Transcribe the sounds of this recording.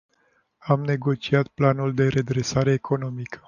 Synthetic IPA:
amne̞ɡo̞t͡ʃiat̪planuld̪e̞ɾe̞d̪ɾe̞saɾe̞ːkʰo̞no̞mikə̥

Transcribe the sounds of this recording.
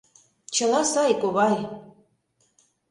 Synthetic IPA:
t͡ɕɤ̆lɑsɑjkoβɑj

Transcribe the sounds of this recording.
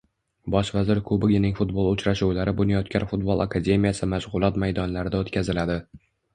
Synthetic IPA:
bɒʃvazɪɾkʰʊbɪɡʲɪnɪŋfʊt̪̚bolˠʊt͡ʃɾaʃuwlaɾɪbʊnɪjɒt̪̚kʲanfʊt̪̚bolˠakʰad̪ʲe̞mijasɪmaʃʁʊlˠɒt̪majd̪ɒnlaɾɪd̪aot̪kʲʰazɪlad̪ɪ

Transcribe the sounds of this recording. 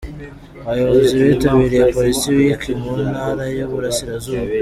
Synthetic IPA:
βajo̞βozoziβitaβiɾijepo̞ɾisiwikʰimunhaːɾajoβuɾasiɾazuːβu

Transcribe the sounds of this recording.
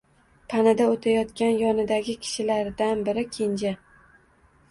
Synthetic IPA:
pʰanad̪aot̪ʰajɒt̪kʲanjɒnɪd̪aɡʲɪkʲʰɪ̥ʃɪlaɾd̪anbɪɾɪkʲʰend͡ʒa

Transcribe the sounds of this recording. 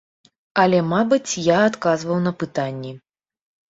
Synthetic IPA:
ɐlʲɛmabɨt͡sʲjaːt̪kazvɐwn̪ɐpɨt̪anʲːɛ

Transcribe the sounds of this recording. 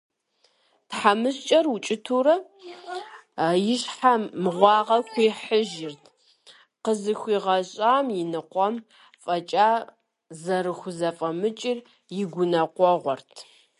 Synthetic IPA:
tħamɨɕt͡ʃʼɐrut͡ʃʼɪtʰuːɾɐ | jɪɕħaːɨʁʷɑːʁɐkʷiːħəʒɪrtʰ | qəzɨxʷiːʁɐɕʼaːmjɪnɨqʷɔm | fʼɐt͡ʃʼaː | zɐɾɨxʷʊzɐfʼɐmɨt͡ʃʼɪr | jɪɡʷʊnɐqʷɔʁʷɔrtʰ

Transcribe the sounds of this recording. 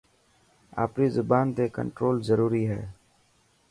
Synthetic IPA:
a̰ːpniːzʊbaːnt̪eːkə̰̃ɳʈɾoːlzəɾuːɾiːɦɛ̰ː

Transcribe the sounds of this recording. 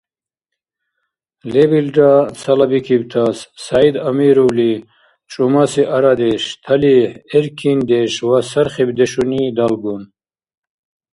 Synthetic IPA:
lebilɖasɐlɐbikʰibt̪ʰasːaid̪ɐmiɾuwli | t͡ʃʼumasiʔɐɾad̪eɕt̪ʰɐlieɾkʰind̪eʃwasɐɾχebd̪eʃunid̪alɡun

